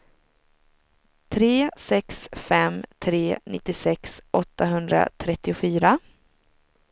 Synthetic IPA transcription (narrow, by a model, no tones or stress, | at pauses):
t̪ʰɾeːsɛksfɛmt̪ʰɾeːnʔɪt̪ːɪsɛksʔɔt̪ːaɦɵnd̪ɾa̰t̪ʰɾɛt̪ːɪʊfyːɾa